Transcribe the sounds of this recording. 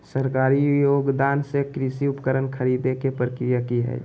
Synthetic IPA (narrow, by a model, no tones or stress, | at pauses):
səɾkaːɾijoːɡd̪aːnsekɾɪsiʊpkəɾənkʰəɾiːd̪ekepɾəkɾijakiɦɛ̰ː